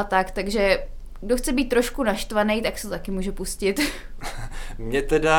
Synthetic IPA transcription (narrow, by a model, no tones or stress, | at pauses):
at̪akt̪aɡʒɛ | ɡdoxt͡sɛbiːt̪ːɾo̞ʃkunaʃt̪vanɛjt̪aksɛ̥t̪ot̪akɪmuːʒɛpuscɪt̪ | mɲɛt̪ɛda